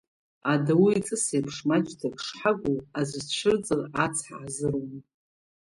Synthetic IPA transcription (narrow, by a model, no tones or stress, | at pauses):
adawiit͡sʼɨsejpʰʂmat͡ʃʼdʰapʰʂħaɡʷuazʷɨzt͡ʃʷʰɨrd͡zʼɨrat͡sʰħa̰ʕazɨrom